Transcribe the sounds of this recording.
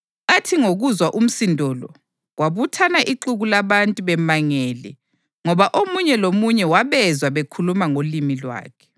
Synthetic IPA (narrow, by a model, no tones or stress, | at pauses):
atʰiŋoɣuzwaʔum̩sindʱɔlɔ̰ | ɣwaβutʰanaʔiǃuɣulaβantʼuβɛmaŋɛːlɛ | ŋɔβaʔomuɲɛlomuɲɛwaβɛzwaβekʰulumaŋolimilwa̰ːkʰɛ̥